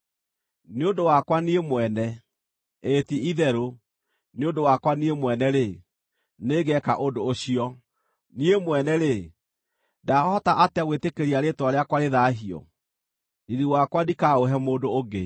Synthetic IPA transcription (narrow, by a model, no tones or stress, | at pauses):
neondowakwaniemwɛnɛ | etiiðɛɾo | neondowakwaniemwɛnɛɾe | neɡɛkaʔodoːɕiɔ | niemwɛnɛɾe | daɔhɔtaʔateaɣwetekeɾiaɾetwaɾeakwaɾeðaːɦiɔ̰ | iðiwakwadikaoɦɛmoːdoːɡe